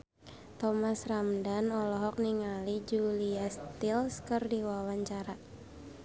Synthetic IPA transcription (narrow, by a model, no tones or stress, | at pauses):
t̪ɔmasramdanɔlɔɦɔk̚niŋalid͡ʒuliast̪ilskɨrdiwawaɲt͡ʃaɾa